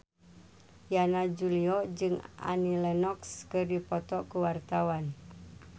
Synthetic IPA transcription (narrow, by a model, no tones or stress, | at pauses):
janad͡ʒuliɔd͡ʒɨŋʔa̰nilɛnɔkskɨrdipɔt̪ɔkuwart̪awan